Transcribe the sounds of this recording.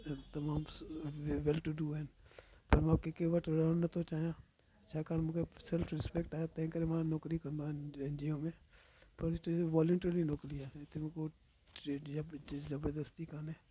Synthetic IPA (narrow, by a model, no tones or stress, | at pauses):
t̪ɐmaːm | ʋɛlʈuɖuːɛnpɐɾmakekeʋəʈɾoːnːɐt̪õt͡ʃaːjãː | t͡ʃaːkaːnmʊ̃kesɛlfʰɾɪspekʈaːjaːt̪ɛ̃ːkəɾẽmãːnɔːkɾikɐɾnd̪aẽnd͡ʒioːmẽːpɐɾɪtːʋɔːlũɳʈəlinoːkliɛːɪt̪ʰemko | e | zəbəɾd̪əst̪ikanɛ̃ː